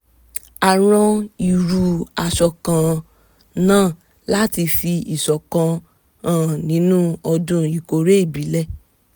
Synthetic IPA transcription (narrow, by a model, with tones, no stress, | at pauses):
a˨ɾ̃ɔ̃˧i˨ɾu˧a˧ʃɔ˧kã˧ | nãː˦˨ | la˦ti˧fi˧i˨sɔ˨kã˧ | ã˦˨nĩ˨˦nũ˦ɔ˧dũ˦i˨ko˨ɾe˦i˦˨bi˨˦lɛ˦˨